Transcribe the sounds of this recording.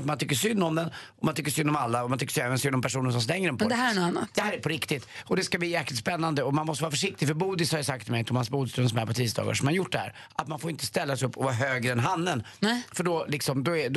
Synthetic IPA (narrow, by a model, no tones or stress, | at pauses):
fmant̪ʰʏkːəʂsʏnːɔmd̪ɛnɔmant̪ʏkːəʂsʏnːɔmalːaɔmant̪ʰʏkːəʂɛɛːvənsʏnːɔmpʰæʂuːnənʂsɔmst̪ɛŋːəɾɛnpʰɔd̪ɛɦæːɾɛnɔanːat̪d̪̥ɛhæːɾæpʰɔɾɪkt̪ɪt̪ɔd̪ɛskabliːjɛːklɪt̪spɛnːand̪əɔmanmɔst̪vɑːɾafœʂɪk̚t̪ɪɡfœɾbuːd̪ɪshaɾjəsak̚t̪ʰːɪlmɛjt̪ʰɔmhansbuːd̪st̪ɵnsɔmæɾpɔt̪ʰiːsd̪ɑ̰ːɡa̰ʂɔmanjʊʈ̚ːd̪ɛhæ̰ːɾ | at̪manfoːɾɪnt̪ə̥st̪ɛlːasɛɪɵpːɔvaɾɦøːɡɾəɛnɦanːənfœɖɔlɪksɔmd̪ɔɛd̪